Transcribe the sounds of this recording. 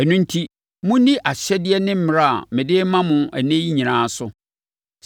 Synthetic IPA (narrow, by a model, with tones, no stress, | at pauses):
ɛ˨nʊ̃˦n̩˦tʰi˦ | mʊ̃˦dĩ˦ʔa˨ɕɛ˦dɪ˦ɛ˦nɪ̃˦m̩˦mɪ̃˨ɾa˦˨a̰˨mɪ̃˨dɪ˦mã˦mʊ̃˨æ˨nẽ˦ji˦ɲĩ˨nãː˨˦sʊ˦